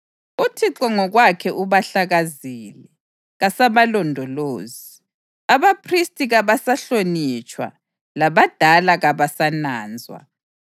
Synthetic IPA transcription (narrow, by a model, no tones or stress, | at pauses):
utʰiǁɔŋɔɣwakʰɛʔuβaɬaɣaziːlɛ | ɣasaβalɔndʱɔloːzi | aβapʰristʼiɣaβasaɬonit͡ʃʼwa̰ | laβad̥ʱalaɣaβasanaːnd͡zʱwa̰